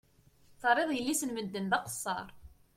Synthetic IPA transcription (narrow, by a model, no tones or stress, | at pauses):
θərˤːeðˤjəlːisənməd̪ːənðɑqə̥sˤːɑ̰ɾˤ